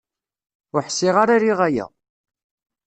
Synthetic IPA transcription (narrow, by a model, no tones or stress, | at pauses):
ʊħsːɪʁaɾaɾiʁæjæ̰